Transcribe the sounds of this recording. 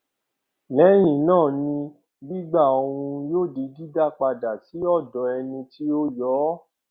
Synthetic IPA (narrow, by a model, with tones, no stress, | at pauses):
lɛ˨˦j̃ĩ˨nãː˦˨nĩ˧ | bi˦ɡ͡ba˦˨o˧ɾũ˧joː˦˨di˧di˦da˦˨k͡pa˧da˨ti˨˦ɔ˦˨dɔ˨˦ɛ˧nĩ˧ti˦o˦jɔː˨˦